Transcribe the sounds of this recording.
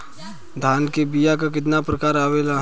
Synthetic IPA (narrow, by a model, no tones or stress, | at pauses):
d̪ʱaːnkebijak̬ak̬ɪt̪napɾɐkaːɾaːʋeːla